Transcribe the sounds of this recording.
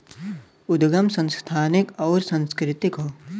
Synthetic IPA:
ʊd̪ɡəmsə̃nst̪ʰaːnɪkɔːɾsɐ̃nskɾɪt̪ɪkɦoː

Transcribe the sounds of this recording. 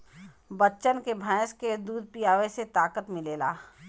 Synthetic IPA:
bətːʃənkebʱãːsked̪uːd̪̚ʱpijaːʋeset̪aːkət̪mɪleːla̰ː

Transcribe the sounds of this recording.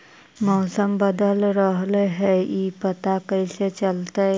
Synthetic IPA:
mɔːsəmbəd̪əlɾəɦleɦɛipət̪akəiset͡ʃəlt̪e

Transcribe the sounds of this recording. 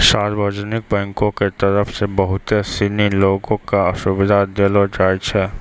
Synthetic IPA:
ʃaːɾbʱəd͡ʒənɪk̚bɛ̃ːŋkõket̪ɐɾəfsebɐɦʊt̪esiniloːɡõkaɐʃʊbɪd̪ʱad̪elod͡ʒaːjd͡ʒɦɛː

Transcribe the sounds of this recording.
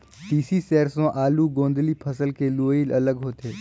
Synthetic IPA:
ʈiːsiseːɾsõʔaːluɡõːnd̪lipʰəsəlkeluːiːlɐləɡɦoːt̪eː

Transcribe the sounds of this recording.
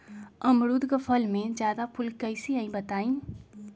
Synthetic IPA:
əmɾud̪kəpʰəlmẽd͡ʒjad̪apʰulkəɪsiəĩbət̪aːĩ

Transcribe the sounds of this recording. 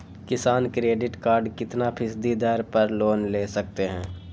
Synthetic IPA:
kɪsaːnkɾeːɖɪʈkaːɾɖkɪt̪napʰɪsd̪id̪ɛɾpɐɾloːnleːsɐk̚t̪eɦɛ̃ː

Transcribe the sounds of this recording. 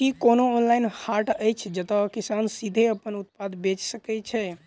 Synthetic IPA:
kikonoːnlajnhaɾʈəjt͡ʃʰd͡ʒət̪ɔkisansid̪ʱeəpənut̪̚pad̪ʱbet͡ʃsəkɛt͡ʃʰɛ

